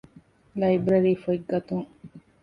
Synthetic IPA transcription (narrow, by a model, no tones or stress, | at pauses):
lɐjbɾɐɾiːfoiɡɐt̪uŋ